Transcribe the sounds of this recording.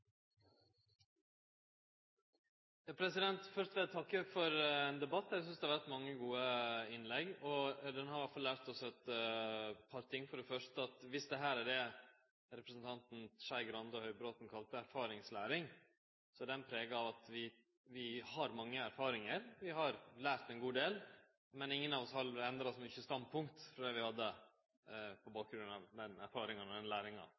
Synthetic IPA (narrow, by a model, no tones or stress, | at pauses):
jɑːpʰɾɛsɪd̪ɛnt̪fœʂt̪ʋɛt̪ʰɑkːøkfɔɾɛnd̪ɛbɑt̪ːæsʏnsd̪ɛhɑɾʋæɾʈ̪mɑŋːəɡuːəɪnlɛɡɔd̪ɛnhɑɾʋæʈfɑlːæːɾt̪ɔsɛt̪ | pʰɑɾt̪ʰɪŋːfɔɖɛfœʂtəɑt̪ʋɪsd̪ɛɦæːɾæɖɛ | ɾɛpɾəsn̩t̪ʰɑnt̪n̩ʂæɪɡɾɑnd̪ɔhœʏbɾoːt̪n̩kʰɑlt̪əæɾfɑːɾɪŋslæːɾɪŋ | sɔd̪ɛnpʰɾeːɡɑɑʋɑt̪ʋɪ | ʋɪhɑɾmɑŋːəæɾfɑːɾɪŋəɾʋɪɦɑɾlæːɾt̪ɛnɡuːd̪eːl | mɛnɪŋːənɑːʋɔshɑlɛnd̪ɾɑsmʏçəst̪ɑnd̪̚pʰʊŋkt̪fɾɔd̪ɛʋɪhɑd̪ːə | pʰɔbɑːk̚ɡɾʉnɑʋd̪ɛnæ̰ɾfɑːɾɪŋɑnɔd̪ɛnlæːɾɪŋɑ̰